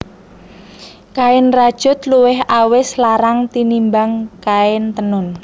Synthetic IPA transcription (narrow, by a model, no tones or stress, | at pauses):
kaɪnrad̥ʒ̥ʊ̤t̪luwɪɦawɪslaɾaŋt̪inimbaŋkaɪnt̪ənʊn